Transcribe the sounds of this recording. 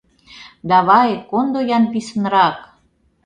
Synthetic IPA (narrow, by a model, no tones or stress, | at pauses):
d̪ɑβɑjkond̪ojɑnpisənɾɑk